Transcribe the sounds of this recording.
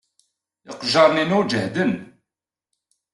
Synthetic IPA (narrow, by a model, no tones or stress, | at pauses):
ɪqʒɑɾˤninuɾd͡ʒəhd̪ən